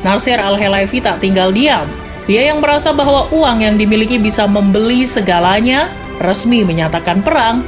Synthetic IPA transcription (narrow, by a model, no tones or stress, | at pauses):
narsɪɾalɦelafit̪aʔt̪iŋɡaldiam | diajaŋməɾasabaɦwaʔuaŋjaŋdimilikibisaməmbəlisəɡalaɲa | rəsmiməɲat̪akanpəɾaŋ